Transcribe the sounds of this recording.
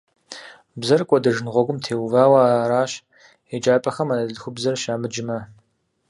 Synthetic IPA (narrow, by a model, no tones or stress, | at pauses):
bzɐrkʷʼɔdɐʒɪnʁʷɔɡʷʊmtʰeːwvaːwaaːɾaːɕ | ed͡ʒʼaːpʼɐxɐmanɐɮxʷʊbzɐrʃaːmɨd͡ʒɪmɐ